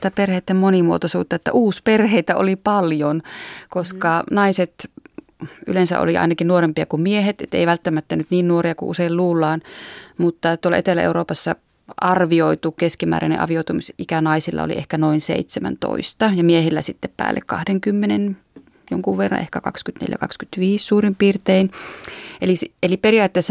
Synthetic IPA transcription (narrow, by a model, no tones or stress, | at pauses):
t̪æperheːˑt̪ːemmonimuot̪osuːt̪ːɑet̪ːæ̰ʔuːsperheit̪æo̰lipɑljonkoskɑnɑiset̪ | ʔy̰lensæ̰ʔo̰liʔɑ̰inɑkinnuoɾempiɑkummieɦet̪et̪ːḛiʋælt̪ːæmæt̪ːænyt̪niːnnuoriɑkuʔuseilluːlːɑːnmut̪ːɑt̪uolːɑ̰ʔet̪elːæ̰ʔḛuroːpɑsːɑ | ɑrʋioit̪ukeskimæ̰ːɾæ̰nḛʔɑ̰ʋioˑit̪umisʔikænɑisilːɑ̰o̰lḭʔḛhkænoinsḛit̪semæ̰nt̪o̰ist̪ɑjɑmiehilːæsit̪ːeppæ̰ːlːḛkkɑ̰hdeŋkymːenen | joŋkuʋʋerːɑ̰ʔehkækɑ̰kskyt̪nḛljæ̰kɑ̰kskyt̪ʋiːssuːrimpiːrt̪ein | eliseliperiɑːt̪ːeːsːɑ